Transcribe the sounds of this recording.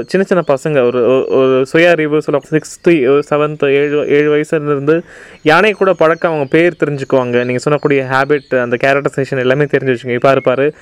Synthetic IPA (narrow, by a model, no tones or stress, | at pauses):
t͡ʃɪnːɐt͡ʃɪnːɐpɐsɐŋɡɐɔɾɯɔɾɯsʊjaːɐɾɪʋɯsɔlːɐkːsɪkst̪ɯsɛʋɐnt̪eːɻɯʔeːɻɯʋɐjɐsɐɪɾɯnd̪ɯ | jaːnɐkːuːɽɐpɐɻɐkːɐɐʋɐŋɡɐpeːɾt̪ɛɾɪɲd͡ʒɯkːɯʋaːŋɡɐniːŋɡɐsɔnːɐkːuːɽɪjɐɦaːbɪʈɐnd̪ɐkaːɾɐkʈːɐseːʂɐnɛlːaːmeːt̪ɛɾɪɲd͡ʒɯʋɐt͡ʃːkɯŋɡɐɪpːaːɾɯpaːɾɯ